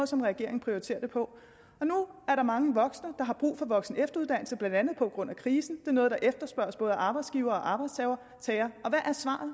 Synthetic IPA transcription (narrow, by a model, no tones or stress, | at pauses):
ð̩ˠsɒ̽mʁɛɡ̥e̝̰ɐe̝ŋ̩pʁioʁit͡sʰe̝̰ːɐd̥e̝pʰɒ̽ | ɒ̽nuæɐɾɑ̈mɑ̈ŋəʋɒ̽ɡ̥snəd̥ɑ̈ɦɑ̈b̥ʁṵːfɒ̽ʋɒ̽ɡ̥snəefd̥ɐuð̞ˠd̥æn̰l̩səb̥lænd̥ænð̞̩ˠpʰɒ̽ɡ̥ʁɔ̽n̰ækʰʁiːsn̩d̥e̝nɔ̽ːð̞̩ˠdɑ̈ʔefd̥ɐsb̥ɶɐ̰sb̥ɔ̽ːð̞ˠəʔɑ̈ːb̥ɑɪdsɡ̥iʊɐːɒ̽ʔɑ̈ːb̥ɑ̈ɪd̥st͡sʰɛʊɐ | t͡sʰɛːɐʔɒ̽ʋæʔæɐsʋɑ̰̈ːð̩ˠ